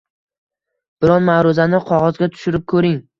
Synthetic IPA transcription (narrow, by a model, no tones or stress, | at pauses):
b̥ɪɾɒnmaɾʊzanɪqʰɒʁɒzɡʲat̪ʰʊ̥ʃɪɾɪp̚kʰɵɾɪŋ